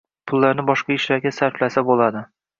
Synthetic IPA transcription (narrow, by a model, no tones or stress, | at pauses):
pʰʊlˠːaɾnɪbɒʃqɑɪʃlaɾɡʲasaɾflasabolˠad̪ɪ